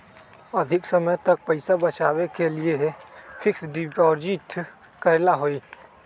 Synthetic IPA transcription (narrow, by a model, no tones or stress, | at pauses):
əd̪ʱɪksəməjt̪ək̚pəɪsabət͡ʃaːwekeliefʰɪksɖipɔːɾd͡ʒiʈ | kəɾlaɦoiː